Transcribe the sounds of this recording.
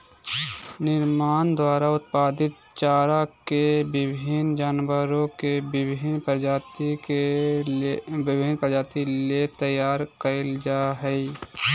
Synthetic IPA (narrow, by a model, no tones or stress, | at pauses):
nɪɾmaːnd̪waːɾaʊt̪paːd̪ɪt̪̚ | t͡ʃaːɾakebɪbʱɪnd͡ʒaːnwəɾõkebɪbʱɪnpəɾd͡ʒaːt̪ie | bɪbʱinpəd͡ʒaːt̪ilet̪əjːaːɾkəɪld͡ʒaːɦɛi